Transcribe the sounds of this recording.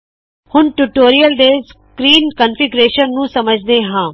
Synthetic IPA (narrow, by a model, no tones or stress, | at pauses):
hʊnʈuʈoːɾiəlɖ̪eːs | kɾiːnkənfʰɪɡɾeːʃənːũːsəməd͡ʒʱd̪eːɦãː